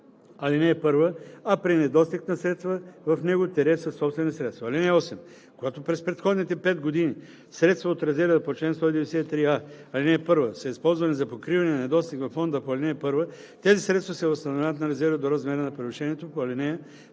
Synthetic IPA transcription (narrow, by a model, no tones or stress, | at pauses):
ɐlinɛːpɤɾvəɐpɾinɛd̪ɔst̪iknɐsɾɛt̪st̪vəvɐfnɛɡʊt̪ɛɾɛsɐsːɔpst̪vɛnisɾɛt̪st̪vɐɐlinɛɔsɛm | koɡat̪opɾɛspɾɛt̪xɔd̪nit̪ɛpɛt̪̚ɡod̪ini | sɾɛt̪st̪vɐot̪ɾɛzɛɾvəpot͡ʃlɛnst̪ɔid̪ɛvɛɛsɛit̪ɾiaɐlinɛːpɤɾvəsɐispɔlˠzvɐnɛzɐpokɾivɐnɛnɐnɛd̪ɔst̪ikvɐfːɔnd̪əpoɐlinɛpɤɾvə | t̪ɛzisɾɛt̪st̪vɐsɛvɐst̪ɐnovʲavət̪̚nɐɾɛzɛɾvəd̪oɾɐzmɛɾənɐpɾɛviʃɛniɛt̪opoɐlinɛ